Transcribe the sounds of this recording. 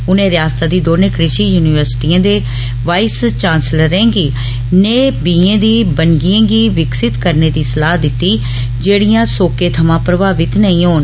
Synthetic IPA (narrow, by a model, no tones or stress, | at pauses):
ʊnẽːɾɪjaːst̪aːd̪iːd̪oːneːkɾɪʃiːjuːnɪʋəɾsʈiːãːd̪eː | ʋaːist͡ʃaːnsləɾɛ̃ːɡiː | neːbiːẽːd̪iːbənɡiẽːɡiːʋɪksɪt̪kəɾneːd̪iːsəlaːd̪ɪt̪ːiː | d͡ʒeːɽijãːsoːkeːt̪ʰəmãːpɾəbaːʋɪt̪nəĩːɦoːn